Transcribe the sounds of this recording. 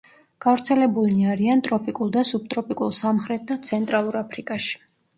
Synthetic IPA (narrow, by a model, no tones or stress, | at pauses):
ɡ̥avɾt̪sʰɛlɛbulaɾiant̪ʼɾɔpʰʼikʼulˠd̪asub̚t̪ʼɾɔpʼikʼṵlˠsamχɾɛt̪̚d̪at̪sʰɛnt̪ʼɾalˠuɾapʰɾikʼaʃi̥